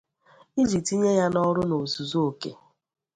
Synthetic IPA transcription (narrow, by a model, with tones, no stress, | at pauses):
i˦d͡ʒi˨ti˦ɲe˦ja˦nɔ˦ɾʊ˦no˨zu˨zo˦o˨kḛ˨